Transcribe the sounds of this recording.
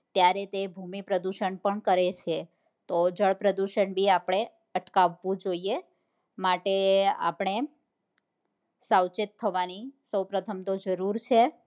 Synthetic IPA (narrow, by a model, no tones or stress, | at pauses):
t̪jaɾet̪ebʱumipɾəd̪uʃəɳpəɳkəɾet͡ʃʰe | t̪od͡ʒəɭpɾəd̪uʃəɳbʱiapɽ̃e | əʈkaʋːũd͡ʒoie | maʈea̰pɳ̃e | sawt͡ʃɪt̪ʰːəʋanisəwpɾət̪ʰəmt̪od͡ʒəɾuɾt͡ʃʰe